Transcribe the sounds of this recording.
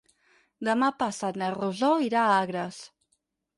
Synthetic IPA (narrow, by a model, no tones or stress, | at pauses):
d̪əmapasat̪nəruzoiɾaaɣɾəs